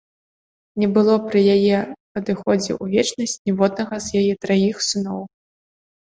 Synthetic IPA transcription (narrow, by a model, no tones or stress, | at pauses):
nʲɛbɨlˠɔpɾɨjajɛpɐd̪ɨxɔd͡zʲɛ̰ʔuvʲɛt͡ʂnɐsʲt͡sʲnʲɛvɔd̪̚nɐɣɐzjajɛt̪ɾajixsɨnɔw